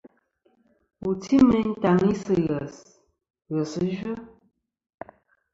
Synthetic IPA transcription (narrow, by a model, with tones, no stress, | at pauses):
u˨tʰi˦mə˦n̩˦ta˨ŋi˦sə˨ɣə˨s | ɣə˨sə˦ʒə˦